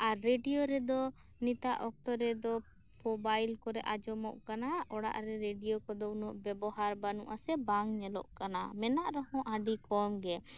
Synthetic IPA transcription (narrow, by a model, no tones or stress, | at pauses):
aɾːeɖijoɾɛd̪ɔ | nit̪aʔɔk̚t̪ɔɾɛd̪ɔ | pɔbajlkɔɾɛʔad͡ʒɔmɔʔkanaɔɽa̰ʔɾɛɾeɖijokɔd̪ɔunɔʔbɛbɔɦaɾbanuʔasɛbaŋɲɛlɔ̰ʔkana̰mɛnaʔɾɔhɔ̃ʔaɖikɔmɡɛ